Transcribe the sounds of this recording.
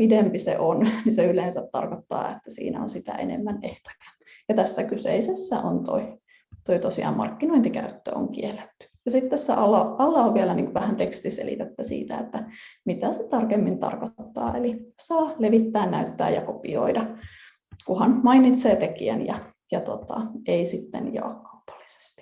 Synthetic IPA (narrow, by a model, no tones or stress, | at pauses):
pidempisḛʔonniseyleːnsæt̪t̪ɑ̰rkot̪ːɑ̰ːet̪ːæsḭːnæ̰onsit̪æ̰ʔenḛmːæneht̪o̥kæ̥ | jɑt̪æsːækysḛisesːæʔont̪oi | t̪oit̪osiɑ̰ːmmɑ̰rkːinoint̪ikæyt̪ːø̰ːo̰ŋkielːet̪ːy̥jɑsit̪t̪æsːæ̰ʔɑlːɑʔɑlːɑoʋʋielænḭːŋkoʋæhænt̪ekst̪isḛlḭt̪et̪ːæsḭːt̪æet̪ːæmit̪æset̪ɑrkemːint̪ɑ̰rkot̪ːɑ̰ːelisɑːleʋit̪ːæːnnæyt̪ːæ̰ːjɑkopio̰idɑ | kuhɑnmɑinit̪seːt̪ekiæ̰njɑ | jɑt̪ot̪ɑ̰ʔeisit̪ːḛnjɑ̰ːkkɑu̥pɑ̥lːi̥se̥st̪i̥